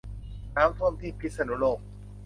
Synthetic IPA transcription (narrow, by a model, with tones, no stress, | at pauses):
naː˦˥mt̪ʰu˥˩əmt̪ʰiː˥˩pʰi˦˥t̪̚sa˧nu˩˦˥loː˥˩k̚